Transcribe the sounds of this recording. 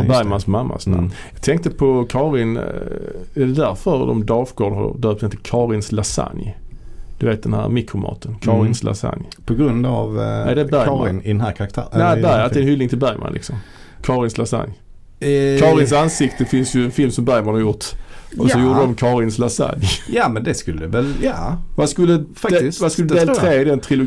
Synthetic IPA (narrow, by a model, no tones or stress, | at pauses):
bæɾjmansmamːa̰snæjɑːɡ̚t̪ʰɛŋkt̪əpʰɔkʰɑːɾɪn | ɛd̪ɛd̪æɾfəɾd̪ɔ̰md̪ɑːfɡoːdhɑ̰ɾd̪œːpt̪ʰɛnt̪əkʰɑːɾɪnslasa̰njd̪̥ɵveːt̪̚d̪ɛnhæ̰ːɾmɪkɾʊmɑ̰ːt̪ʰənkʰɑːɾɪnslʔa̰sa̰njpʰɔɡɾɵnd̪avæɪd̪ɛbæɾɪnɪd̪ɛnhæːɾkʰaɾakt̪ʰæ̰ːnæbæɾjaləɛnhʏlːɪŋt̪ʰɪlbæɾjmʔa̰nlɪ̰ksɔm | kʰɑːɾɪnslasa̰nj | kʰɑːɾɪns̬ansɪkt̪əfɪnsjɵɛnfɪlmsɔmbæɾmanhɑɾjʊɾt̪ɔsɔjuːɾəd̪ɔmkʰɑːɾɪnslasa̰njjamɛnd̪ɛskɵlːɛvɛljavaskɵlːəfadvaskɵlːəd̪eːlt̪ɾeːɪd̪ɛnt̪ʰɾɪlʊ